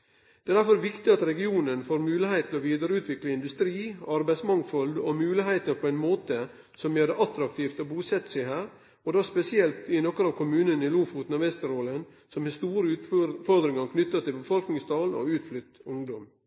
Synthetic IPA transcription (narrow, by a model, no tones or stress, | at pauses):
d̪̥ɛæːd̪æɾfɔɾʋɪkt̪ɪɑt̪ɾɛɡɪuːnənfoːɾmʉːlɪheɪt̪ʰːɪlɔʋiːd̪əɾəʉːt̪ʰʋɪkləɪnd̪ʉst̪ɾiːɑɾbæɪsmɑŋfɔld̪ɔmʉːlɪɦeɪt̪əɾpʰɔæɪnmoːt̪ə | sɔmjøːd̪ɛʔɑt̪ɾɑk̚t̪ʰiːft̪ɔbuːsɛt̪ːəsæɪɦæːɾ | ɔd̪ɑspɛsɪɛlt̪ɪnɔkəɾɑːʋkʰʊmʉːnənɪluːfuːt̪n̩ɑʋɛst̪əɾoːlən | sɔmhɛst̪uːɾəʉːt̪fɔɾd̪ɾɪŋɑɾkʰnʏt̪ːɑt̪ʰɪlbəfɔlknɪŋst̪ɑːlnɔ̰ʉːt̪flʏt̪ːʊŋd̪ɔm